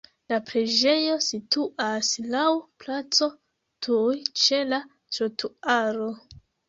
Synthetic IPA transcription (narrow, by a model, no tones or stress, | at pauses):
lapɾed͡ʒe̞jo̞situʔaslawplat͡so̞ | tʰujt͡ʃe̞la | tɾotʰuaɾo̞